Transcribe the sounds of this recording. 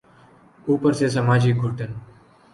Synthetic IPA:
uːpəɾses̬əmaːd͡ʒiːɡʱuʈən

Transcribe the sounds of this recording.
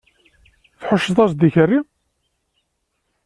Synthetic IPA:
θħʊʃːəðˤɑsd̪içərːi

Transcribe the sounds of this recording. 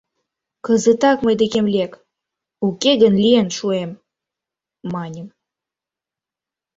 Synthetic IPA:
kəzət̪ɑkməjd̪ekemlʲek | ukeɡənlienʃuem | ɑnʲəm

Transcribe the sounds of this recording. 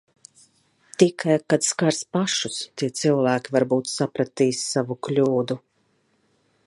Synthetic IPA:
t̪ikʰajkad̪skaɾspaʃust̪iɛt̪silˠvæːkʲivaɾbuːt̪sapɾat̪iːsːavuklʲuːd̪u

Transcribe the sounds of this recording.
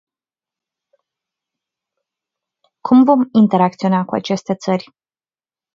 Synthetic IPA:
kʰumvo̞mint̪e̞ɾak̚t̪sio̞nakua̰t͡ʃe̞st̪e̞t̪sərʲ

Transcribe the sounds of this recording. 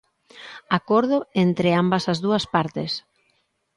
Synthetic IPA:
akoɾðʊent̪ɾeambɐsazðuɐspaɾt̪ɪs

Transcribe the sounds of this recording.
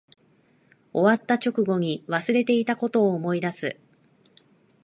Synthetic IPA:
o̞βat̪ːat͡ɕo̞kɯ̟ɡo̞ɲ̟iβasɨɾe̞t̪e̞it̪ako̞t̪o̞ːmo̞id̪asɨ

